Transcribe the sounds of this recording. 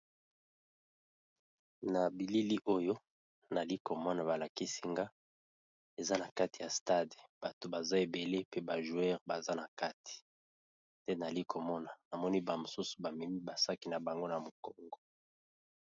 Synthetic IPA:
na˨bi˨li˦li˦ʔo˦jo˦ | na˨li˦ko˨mɔ˦na˨βa˨la˨ki˦si˦ŋɡa˦ | e˨za˦na˨ka˦ti̥˨ja˨sta˦de˨b̥a˨to˨ba˨za˦e˨be˨le˦pe˦ba˨ʒu˨ɛ˦ʁba˨za˦na˨ka˦ti̥˨ | tɛ˦na˨li˦ko˨mɔ˦na˨na˨mɔ˦ni˦ba˨mo˨su˦su̥˨ba˨mi˨mi˦ba˨sa˦ki˨na˨ba˨ŋɡo˦na˨mo˨kɔ˦ŋɡɔ˨

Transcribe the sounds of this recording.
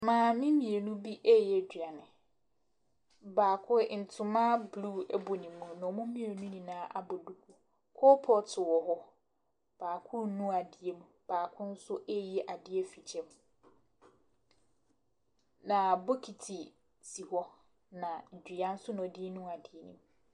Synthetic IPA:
mãː˨mĩ˦mĩ˨e˨nũ˦bi˦ʔɛ˦˨jɛ˨d͡ʑᶣɥa˨nɪ̃˨ | baː˨kʰʊ˦˨n̩˨tʰʊ˨mã˦bluː˦ɛ˦bo˨nĩ˨mũ˨nʊ̃˨mũ˦mĩ˦e˨nũ˦nĩ˨nãː˦ʔa˦bɔ˨du˦kʰu˨ | kʰo˦pʰɔ˦tʰɪ˨wɔ˨ɦɔ˦ | b̥aː˨kʰʊ˦ɾnũ˦a˨dɪ˨e˦mũ˨b̥aː˨kʰʊ̃˦n̩˦sʊ˦ʔe˦jɛ˦˨ʔa˨dɪ˦e˦fi˨t͡ɕʰɛ̃˦m˨ | nã˨bo˦kʰi˨tʰi˨ | si˨hɔ˦ | nã˨d͡ʑᶣi˨a˦n̩˦sʊ˦nʊ̃˨diː˦nũ˦a˨dɪ˨e˨nḭ̃˦˨m˨

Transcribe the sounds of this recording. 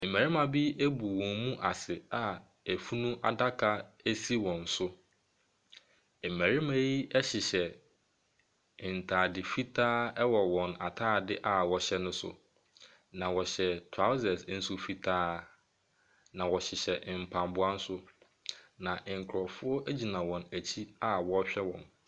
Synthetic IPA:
m̩˨mæ˨ɾi˦mã˨bi˦æ˦bu˨wɔ̃˨mmũ˦ʔa˨sɪ˨a˨ | æ˨fu˦nũ˦ʔa̰˨da˦kʰa˦æ˦si˦wɔ̃˨n̩˨˦sʊ˦ | m̩˨mæ˨ɾi˦ma˦i˦ɛ˦ɕɪ˨ɕɛ˨ | n̩˨tʰaː˨dɪ˨fi˦tʰaː˦ɛ˦wɔ˨wɔ̃˨na˨tʰaː˦˨dɪ˦ʔa˨wɔ˨ɕɛ˦nʊ̃˦sʊ̰˨ | nã˨wɔ˨ɕɛ˨tʰa˦ʊ˦zɛ˨sn̩˦su˦fi˦tʰaː˦ | nã˨wɔ˨ɕɪ˨ɕɛ˨m̩˨pʰã˨mbʊ˦a˦n̩˦sʊ˦ | nã˨ʔŋ̩˨kʰʊ˨ɾɔ˨fʊ˦ɔ˦ʔæ˦d͡ʑi˨nã˨wɔ̃˨næ˨t͡ɕʰi˦a˦wɔ˨˦ɕᶣɛ˦wɔ̃˨n

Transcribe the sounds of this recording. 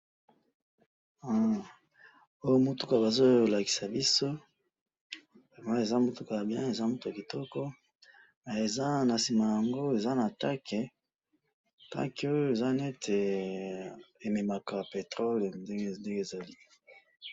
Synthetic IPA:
a˦ | o˦jo˦mo˨tu˦ka˨ba˨zo˦la˨ki̥˨sa˨bi˦so˦ | bɛ˨ma˦e˨za˦mo˦tu˦ka˨bjɛ̃˦e˨za˦mu˦tu˨a˨ki˨tɔ˦kɔ˦ | na˨e˨za˦na˨si˨ma˨ja˨ŋɡo˦e˨za˦na˨ta˦kɛ˨ | ta̰˦ke˨˦o˦jo˦e˨za˦ne˦tʰe˨ | e˨me˨ma˨ka˨pe˨tʁo˦le˨nde˦ɡnde˦ŋɡe˦˨za˨li˦

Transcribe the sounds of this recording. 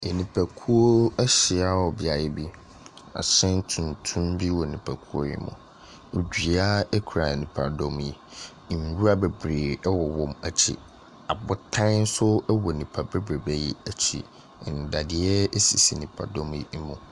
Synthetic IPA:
e˨nĩ˨pʰæ˨kʰu˦o˦ɛ˦ɕɪ˨a˦wɔ˨bɪ˨a˨jɛ˦bi˦ | a̰˨ɕɛ̃˦n˦tʰũ˨ntʰũ˦mbi˦wɔ˨nĩ˨pʰæ˨kʰu˦o̰˦jɛ̰˦mʊ̰̃˨ | d͡ʑᶣi˨a˦ɛ˦kʰu˨ɾa˨nĩ˨pʰa˨dɔ̃˦m˦i˨ | n˨˦wu˦ɾa˦bɛ˨bɾeː˨ɛ˦wɔ˨wɔ̃˨mæ˨t͡ɕʰḭ˨ | a˨bʊ˦tʰã˦n̩˦sʊ˦ɛ˦wɔ˨nĩ˨pʰa˨bɛ˦bɾe˨bɛ˦jɛ̰˦æ˨t͡ɕʰḭ˨ | n̩˨da˨dɪ˨ɛ˦ɛ˦si˨si˨nĩ˨pʰa̰˨dɔ˦m˦i˦mũ˨

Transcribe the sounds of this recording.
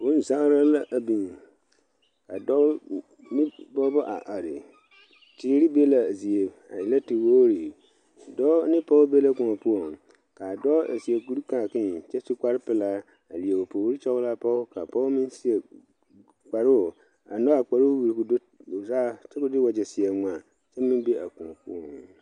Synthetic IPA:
o˦n̩˨sa˦ɾa˦la˦ʔbĩ˨n˨ | ka˨dɔ˦ | nɪ̃˦bɔ˦bɔ˦ʔa̰˨ʔa˨ɾɪ̰˨ | tʰɪ˨˦ɾi˦bi˦e˦la˨e˨zi˨e˨ | a̰˨jɪ˨lɛ˦tɪ˨wo˦ɾi˨ | dɔ˦nɪ̃˦pʰɔ˦wbe˦lɛ˦kɔ̃˨ɔ˨pʰu˦ɔ˨n | kʰa˨dɔ˦ḛ˨si˨e˨ɡu˦ɾu˦ka˨kɪ̃˦n˨˦t͡ʃɛ˦su˦ka˦ɾɪ˦pɛ˨la˦ | a̰˨li˨e˨wo˨pʰɔ˨wu˦ɾi˦t͡ʃʰɔ˦wʊ˦la˦pʰɔ˦wkʰa˨pʰɔ˦mɪ̃˦n˦si˦ɛ˨ | k͡pa˨ɾɪ˦˨ | a˨nɔ̃˦a˨k͡pa˨ɾɪ˦wwu˨ɾi˨kʊ˨do˦˨ | sa˦t͡ʃʰɛ˦kʊ˦dɪ˦wɔ˨d͡ʑɛ˨sɪ˨ɛ˨nũ˨a˨ | t͡ʃʰɛ˦mɪ̃˦be˦ʔa̰˨kɔ̃˨ɔ̃˨pʰu˦ɔ̃˨n˨

